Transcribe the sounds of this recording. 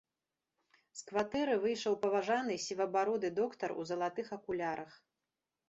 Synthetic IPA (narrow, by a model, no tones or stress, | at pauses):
skvat̪ɛɾɨvɨjʂɐwpɐvaʐanɨsʲivɐbaɾɔd̪ɨd̪ɔkt̪ɐrṵzɐlˠat̪ɨxɐkulʲaɾʔɐx